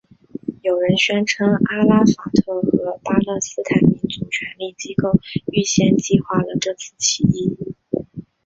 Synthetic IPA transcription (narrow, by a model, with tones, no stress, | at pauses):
jo˨˩ʊɻə˧˥nɕɥɛ˥nʈ͡ʂʰɤ˥ŋʔa˥la˥fa˨˩t̪ʰɤ˥˩xɤ˧˥pa˥lɤ˥˩sɹ̩˥t̪ʰa˨˩ɪmi˧˥nt͡su˨˩t͡ɕʰɥɛ˧˥nli˥˩t͡ɕi˥ko˥˩ʊy˥˧ɕjɛ˥˧nt͡ɕi˥˧xwa˥˩lə˩ʈ͡ʂɤ˥˧t͡sʰɹ̩˥˩t͡ɕʰi˧˥i˥˩